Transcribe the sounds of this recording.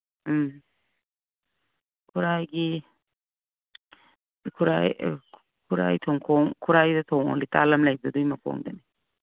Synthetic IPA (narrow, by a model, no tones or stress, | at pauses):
kʰuɾajɡi | kʰuɾaj | kʰuɾa̰jt̪ʰɔŋkʰɔŋkʰuɾajdat̪ʰɔŋɔ̰lit̪aːlɐmlajk̚d̪ɔd̪ujmakʰo̰ːŋd̪ani